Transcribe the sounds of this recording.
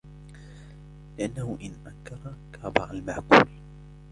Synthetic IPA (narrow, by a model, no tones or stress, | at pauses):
lɪʔanːahʊʔɪnʔaŋkɑɾˤɑkaːbɑ̰ʕalmaʕkṵːl